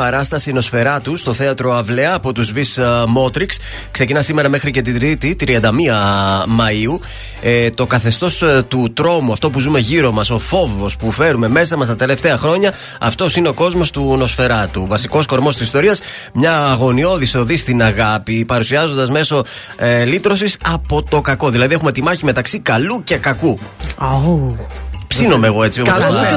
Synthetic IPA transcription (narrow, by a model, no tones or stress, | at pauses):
ɐɾɐst̪ɐsino̞sfe̞ɾɐt̪ust̪oθe̞ɐt̪ɾo̞ɐvleɐːpo̞t̪uzvismo̞t̪ɾiks | kse̞cinɐsime̞ɾɐme̞xɾice̞t̪̬id̪ɾit̪it̪ɾiɐnd̪ɐmiɐmɐiu | t̪o̞kɐθe̞st̪o̞st̪ut̪ɾo̞muɐft̪o̞puzume̞ʝiɾo̞mɐso̞fo̞vo̞spufe̞ɾume̞me̞sɐmɐst̪ɐt̪e̞le̞ft̪e̞ɐxɾo̞ɲɐ | ɐ̰ft̪o̞sineo̞ko̞zmo̞st̪uno̞sfe̞ɾɐt̪uvɐsiko̞sko̞ɾmo̞st̪isist̪o̞ɾiɐs | mɲɐːɣo̞nio̞ðiso̞ðist̪inɐɣɐpipɐɾusiɐzo̞nd̪ɐzme̞so̞lit̪ɾo̞sisɐpo̞t̪o̞kɐko̞ðilɐðie̞xume̞t̪imɐçimet̪ɐksikɐluce̞kɐku | psino̞me̞ːɣo̞e̞t͡sioɐ